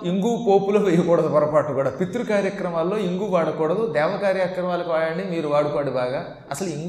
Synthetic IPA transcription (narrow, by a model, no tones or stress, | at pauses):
iŋɡuːpoːpuloːʋɛjɐkɔːɽɐd̪upɐɾɐpaːʈːukuːɽaːpit̪ɾukaːɾjɐkɾɐmaːlːo̞ːiŋɡuːʋaːɽɐkɔːɽɐd̪ud̪ɛːʋɐkaːɾjakɾɐmaːlɐkiʋaːjɐɳɖimiːɾuʋaːɽupaːɽibaːɡaː | ɐsɐluiŋɡ